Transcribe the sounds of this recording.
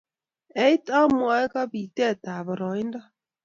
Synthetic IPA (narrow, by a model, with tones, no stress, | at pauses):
ɛ˨˦i˦ta˦mwa˨˦ka˦βi˨tɛ˦˨ta˨βɔ˨ɾɔ˨i˦nda˦